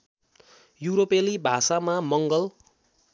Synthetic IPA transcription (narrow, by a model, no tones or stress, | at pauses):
juɾopelibʱasamamʌŋɡʌl